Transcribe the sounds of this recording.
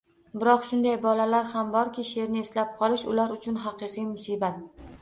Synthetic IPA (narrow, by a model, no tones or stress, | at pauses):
bɪɾɒqʃʊnd̪ajbɒlalaɾhambɒɾkʲɪʃe̞ɾnɪeslap̚qʰɒlɪʃʊlaɾʊt͡ʃʰʊnɦɑqɨqijmʊsiːbat̪̚